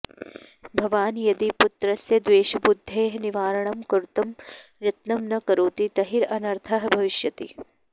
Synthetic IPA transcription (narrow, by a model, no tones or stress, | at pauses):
bʱɐʋaːnjɐd̪iput̪ɾɐsjɐd̪ʋeːʃɐbud̪ʱːeːɦniʋaːɾɐɳɐmkɐɾut̪ɐmɾɐt̪nɐmnɐkɐɾuːt̪it̪ɐɦiɾɐnɐɾt̪ʰɐɦɐ̆bʱɐʋiʃjɐt̪ḭ